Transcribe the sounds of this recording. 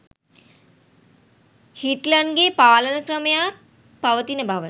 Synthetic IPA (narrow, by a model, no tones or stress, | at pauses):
hiʈlənɡeːpaːlənəkrəməjaː | paʋət̪inəbʱaʋə